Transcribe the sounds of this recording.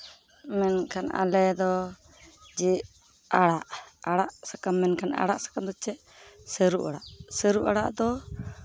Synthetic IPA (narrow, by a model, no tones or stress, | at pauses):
mɛnkʰanʔa̰lɛd̪ɔ | d͡ʒɛʔ | aɽaʔaɽaʔsakamːɛnkana̰ɽaʔsḁkamd̪ɔt͡ʃɛʔ | səɾuʔaɽaʔsəɾuʔaɽa̰ʔd̪ɔ